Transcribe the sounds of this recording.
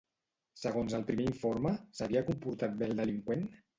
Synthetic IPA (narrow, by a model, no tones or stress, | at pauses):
səɣ̞onzəlˠpɾimeiɱfoɾməsəβiakumpuɾt̪at̪̚belˠd̪əliŋkwen